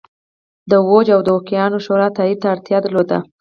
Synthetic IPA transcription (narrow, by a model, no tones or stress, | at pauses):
d̪əwod͡ʒawd̪əokijɑnoʃoɾɑt̪ɑid̪̚t̪aːɽt̪jɑd̪əɾlod̪a̰